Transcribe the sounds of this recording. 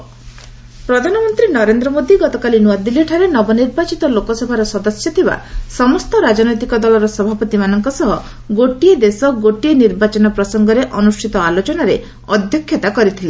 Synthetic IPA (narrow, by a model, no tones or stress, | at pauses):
pɾɔd̪ʱanɔmɔnt̪ɾinɔɾend̪ɾɔmod̪ʱiɡɔt̪ɔkalinuwad̪ilːiʈʰaɾenɔbɔniɾbat͡ʃit̪ɔlokɔsɔbʱaɾɔsɔd̪ɔsjɔt̪ʰiba̰sɔmɔst̪ɔɾad͡ʒɔnɔjt̪ikɔd̪ɔlɔɾɔsɔbʱapɔt̪imanɔŋkɔsɔɦɔ | ɡoʈied̪esɔɡoʈieniɾbat͡ʃɔnɔpɾɔsɔŋɡɔɾeʔɔnusʈʰit̪ɔalot͡ʃɔnaɾe | ɔd̪ʱjɔkʰːjɔt̪akɔɾit̪ʰile